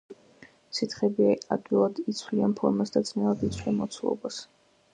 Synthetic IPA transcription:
sit̪χɛbiad̪ɡvilˠad̪it̪sʰwlianpʰɔɾmasd̪ad̪znɛlad̪it̪sʰlɛnmɔt̪sʰulˠɔ̰bas

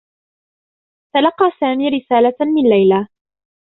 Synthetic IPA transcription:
t̪alɑqːɑːsaːmiːɾɪsaːlamɪnlajla

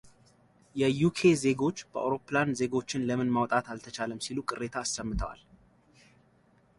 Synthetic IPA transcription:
jɛjukʰe̞ze̞ɡo̞t͡ʃːb̥əʔa̰wɾo̞pːɨlanze̞ɡo̞t͡ʃːɪnləmɨnmawt̪ʼat̪alt̪ʰət͡ʃaləmsilukʼɨrːe̞t̪ʰaːsːəmːɨt̪ʰəwa̰l

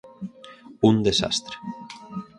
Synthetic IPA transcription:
und̪esa̰st̪ɾe̥

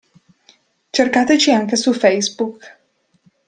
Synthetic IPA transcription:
t͡ʃerkaːt̪et͡ʃiaŋkesufɛjsbuk

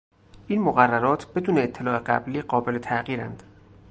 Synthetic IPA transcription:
ʔiːnmoɣærːæɾɒːt̪ʰb̥e̞d̪uːneːt̪ʰːelɒːe̞ɢæ̰bliːɢɒːbe̞le̞t̪ʰæɣiːɾæ̰nd̪̥

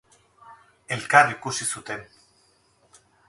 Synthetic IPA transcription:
e̞lkarikusisut̪e̞n

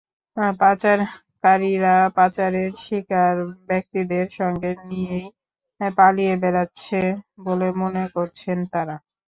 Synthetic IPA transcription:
pat͡ɕaɾ | kaɾiɾapat͡ɕaɾeɾʃikaɾbɛk̚t̪id̪eɾʃɔŋɡenijej | palijebɛɾatːɕʰebolemonekoɾt͡ɕʰent̪aɾa

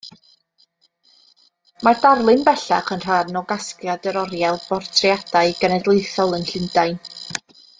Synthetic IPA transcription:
mardarlˠɪnbɛɬa̰χənr̥arnɔɡaskjadɛɾɔɾjalˠbɔrtʰrjad̥aɨɡənɛdlˠeɨθɔlˠənɬɪndaɨn

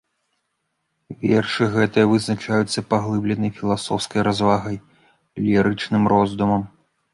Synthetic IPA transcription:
vʲɛrʂɨɣɛt̪ɨjɐvɨznat͡ʂajut̪sːɐpaɣlˠɨblʲɛnɐjfʲilˠasɔwskɐjɾazvaɣɐj | lʲiɾɨt͡ʂnɨmrɔzd̪umɐm

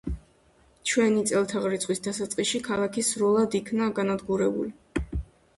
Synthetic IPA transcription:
t͡ʃʰwɛnit̪sʼɛlˠt̪ʰaʁɾit̪sʰχwisd̪asat̪sʼqʼiʃikʰalˠakʰisɾulˠad̪ikʰnaɡanad̪ɡuɾɛbṵli

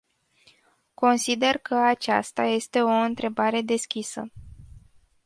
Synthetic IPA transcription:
ko̞nsid̪e̞rkəat͡ʃa̰st̪aje̞st̪e̞o̞ɨnt̪ɾe̞baɾe̞d̪e̞skʲisə̰

